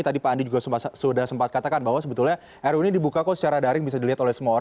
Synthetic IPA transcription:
t̪adipaːndid͡ʒuɡassudahsəmpat̪̚kat̪akanbaɦwasəbət̪ulɲa | ʔɛɾunidibukakasə̥t͡ʃaɾadaɾɪŋbisadiliɦat̪olɛhsəmuaoɾa

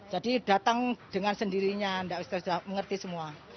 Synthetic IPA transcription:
d͡ʒadid̥at̪aŋd̥əŋansəndiɾiɲandaʔbist̪asudahməŋərt̪isəmua

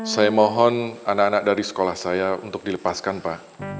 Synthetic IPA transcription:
sajamɔɦɔnanakanak̚daɾisə̥kolahsajaṵnt̪ʊk̚diləpaskanpaʔ

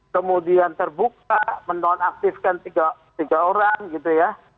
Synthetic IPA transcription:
kəmudiant̪ərbukamənt̪ɔɔnak̚t̪ɪfkant̪iɡa | t̪iɡaoɾaŋɡit̪uja

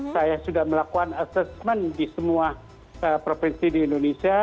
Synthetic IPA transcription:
sajasudahməlakukanasɛsmɛndisəmua | əpɾofinsidiːndonesia

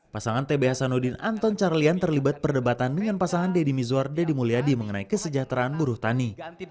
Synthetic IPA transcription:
pasaŋant̪ebeɦasanodɪnant̪ɔnt͡ʃarliant̪ərlibat̪̚pərdəbat̪andəŋanpasaŋandedimizuardadimuliadiməŋənaikəsəd͡ʒat̪ɾaanbuɾuht̪ani

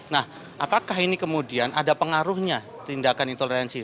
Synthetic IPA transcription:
nah | apakaɦinikəmudianʔadapəŋaɾʊhɲa | t̪indakanint̪olɾɛnsi

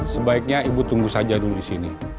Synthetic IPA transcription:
səbaik̚ɲaibut̪uŋɡusad͡ʒaduludisini

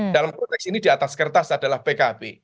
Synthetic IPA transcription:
d̥alampɾɔt̪ɛksinidiat̪askərt̪asadalahpekabe

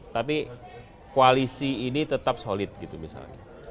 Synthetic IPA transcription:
t̪api | koalisiːnit̪ət̪ap̚solɪt̪̚ɡit̪umisa̰lɲa̰

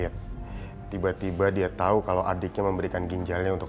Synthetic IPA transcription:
at̪ː | ibat̪ibadiat̪aukalawʔadɪk̚ɲaməmbəɾikanɡiɲd͡ʒalɲaunt̪ʊk

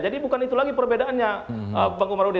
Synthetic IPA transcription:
d͡ʒadibukanit̪ulaɡipərbedaʔanɲaəbaŋɡumaɾudi

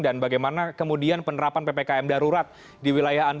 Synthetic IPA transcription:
danbaɡajmanakəmudianpənəɾapanpepekaɛmdaɾuɾat̪̚ | diwilajaɦan

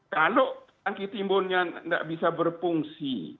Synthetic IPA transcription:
kaloʔ | aŋkit̪imbʊnɲanda̰ʔbisabərpuŋsḭ

